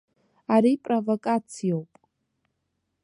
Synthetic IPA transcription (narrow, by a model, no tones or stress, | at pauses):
aɾipʼrovokʼat͡sʰijowpʼ